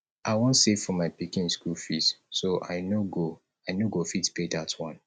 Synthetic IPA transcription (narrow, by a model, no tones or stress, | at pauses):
ʔaɪwɔ̃ntsevfɔmaɪpikĩnskulfitsoʔa̰ɪnoɡo | aɪnoɡofitpedatʰwɔ̃n